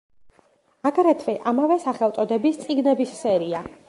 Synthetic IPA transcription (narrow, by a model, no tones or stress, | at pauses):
aɡɾɛt̪ʰvɛʔamavɛsaχɛlˠt̪sʼɔd̪ɛbist̪sʼiɡnɛbisːɛɾia